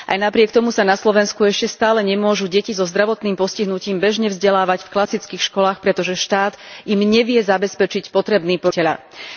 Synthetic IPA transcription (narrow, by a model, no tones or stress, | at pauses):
ʔa̰jnapɾɪɛkt̪ɔmusanaslɔʋɛnskuɛʃcɛst̪aːlɛɲɛmʊɔʒuɟɛcizɔzd̪ɾaʋɔt̪niːmpɔsciɦnuciːmbɛʒɲɛvzɟɛlaːʋacfklasit͡skiːxʃkɔlaːxpɾɛt̪ɔʒɛʃt̪aːd̪imɲɛʋɪɛzabɛspɛt͡ʃicpɔt̪ɾɛbniːpɔcɛʎa̰